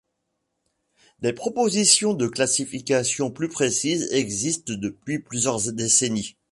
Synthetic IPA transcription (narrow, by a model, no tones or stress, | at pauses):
d̪epχɔpozisjɔ̃d̪əklasifikʲasjɔ̃plypχesizɛɡzist̪d̪əpɥiplyzjœʁd̪eseni